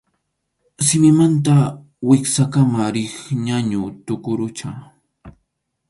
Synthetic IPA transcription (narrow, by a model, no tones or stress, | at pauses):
sɪmɪmant̪a | wɪksakamaɾɪχɲaɲʊt̪ʊkʊɾʊt͡ʃa